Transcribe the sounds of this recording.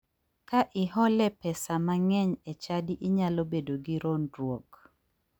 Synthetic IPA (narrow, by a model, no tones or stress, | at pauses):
kaʔɪɦɔlɛpɛsamaŋɛɲɛt͡ʃadiʔɪɲalobedoɡiɾondɾwok